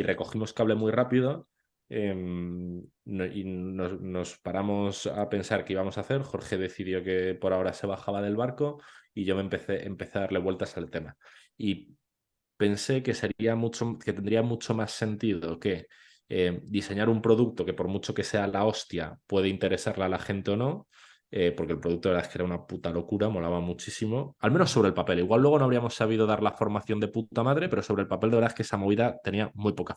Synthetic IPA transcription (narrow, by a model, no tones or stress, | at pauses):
irʔe̞ko̞ximo̞skaβle̞mwirapiðo | em | inono̞spaɾamo̞sa̰pe̞nsaɾkeiβamo̞saθe̞ɾxo̞ɾxe̞ð̞e̞θiðjo̞ke̞po̞ɾao̞ɾase̞β̞aχaβað̞e̞lβaɾko̞iʝo̞mẽ̞mpe̞θe̞ʔempe̞θeðaðaɾle̞βwe̞lt̪asalt̪e̞ma | i | pe̞nse̞ke̞se̞ɾiamut͡ʃoke̞t̪end̪ɾiamut͡ʃo̞masːe̞nt̪iðo̞ke̞ | ed̪ise̞ɲaɾumpɾo̞ðuk̚t̪o̞ke̞po̞ɾmut͡ʃo̞ke̞se̞alao̞st̪japwe̞ð̞e̞int̪e̞ɾe̞saɾlaalaxe̞nt̪e̞o̞no̞ | epoɾkelpɾoðuk̚t̪oɾðaeskeeɾaunaput̪alo̞kuɾamo̞laβamut͡ʃisimo̞alme̞no̞sːo̞βɾe̞lpape̞liɣwalːweo̞noaβɾiamo̞sːaβ̞iðo̞ðaɾlafo̞ɾmaθjo̞nd̪e̞put̪amaðɾe̞pe̞ɾo̞soβɾe̞lpapeld̪e̞ɾðaske̞samo̞β̞iðat̪e̞niamujpo̞ka